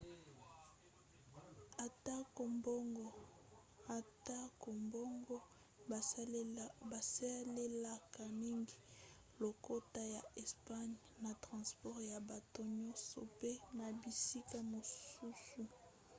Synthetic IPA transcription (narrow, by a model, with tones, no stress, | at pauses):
a˨ta˦ko˨mbo˦ŋɡɔ˨ | a˨ta˦ko˨mbɔ˦ŋɡɔ˦ | ba˨sa˦le˦la˦ka˨mi˦ŋɡi˦ | lo˨ko˦ta˦ja˨ɛ˨spa˦ɲ | na˨tʁɑ̃˨spɔ˦ʁja˨ba˨to˦ɲɔ˦sɔ̰˨pe˦na˨bi˨si˦ka˦mo˨su˦su˨